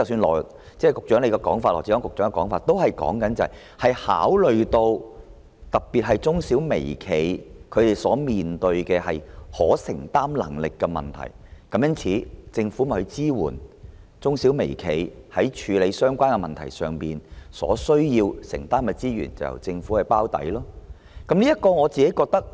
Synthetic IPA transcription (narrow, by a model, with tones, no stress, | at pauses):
t͡sɐ˨wsyː˧nlɔː˨˩ | t͡sɛː˥˩kʊ˨k̚t͡ʃœː˨˥ŋle˨˧jkɛ˧kɔː˨˥ŋfaː˧lɔ̰ː˨˩t͡si˨˥kːɔː˨˥kʊ˨k̚t͡ʃœː˨˥ŋɛ˧kɔː˨˥ŋfaː˧t̚t̪o˥whɐ˨jkɔ̰ː˨˥ŋkɐ˨˥nt͡sɐ˨ | hɐ˨jha̰ː˨˥wlɵ˨ɥt̪o˧w | t̪ɐ˨k̚piː˨t̚ɦɐ˨jt͡sʊ˥ŋsiː˨˥wmḛ˨˩jkʰe˨jkʰɵ˨˧ɥt̪e˨jsɔː˨˥miː˨nt̪ɵ˧ɥkɛː˧hɐ˨jhɔː˨˥sɪ˨˩ŋt̪aː˥mlɐ̰˨˩ŋlɪ˨kːɛː˧mɐ̰˨nt̪ʰɐ̰˨˩jkɐ˨˧˥mjɐ˥nt͡sʰiː˨˥t͡sɪ˧ŋfu˨˥mɐ˨˩hɵ˨˧ɥt͡siː˥wuː˨˩n | t͡sʊ˥ŋsi˨˥wme˨˩jkʰe˨˩jhɐ˨˥jt͡ʃʰyː˨˧le˨˧jsœː˥ŋkʷaː˥nkɛ˧mɐ˨nt̪ʰɐ̰˨˩jsœː˨ŋpiː˨nsɔ̰ː˨˥sɵ˥ɥjiː˧wsɪ̰˨˩ŋt̪aː˥mkɛ˧t͡siː˥ɥy̰ː˨˩nt͡sɐ̰˨wjɐ̰˨˩wt͡sɪ˧ŋfuː˨˥hɐ˨jpaː˥wt̪ɐ̰˨˥jlɔː˥ | kɐ˨˥mnliː˥jɐ˥t̚kɔː˧ŋɔː˨˧t͡siː˨ke˨˥jkɔː˧k̚t̪ɐ˥k̚